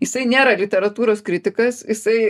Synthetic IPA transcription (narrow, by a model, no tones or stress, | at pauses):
jɪsɐɪnʲeːɾɐlʲɪt̪ʲɛɾɐt̪uːɾoːskɾʲɪt̪ʲɪkɐsjɪsɐɪ